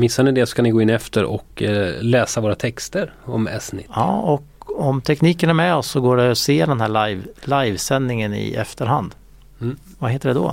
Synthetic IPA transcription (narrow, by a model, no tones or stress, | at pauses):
mɪsːanɪd̪ɛsɔskanɪɡoːɪnːɛft̪əɾɔ̰klɛːsavoːɾat̪ʰɛkst̪əɾɔmɛ̰snɪɑ̰ːɔkɔmt̪ʰɛkniːkənæɾmɛɔsːɔɡoːɖɛɔseːɖɛnɦæːɭajvlajvsɛnːɪŋənɪ̰ɛ̰ft̪əɾɦand̪ | vaɦeːt̪əɖɛd̪ɔ̰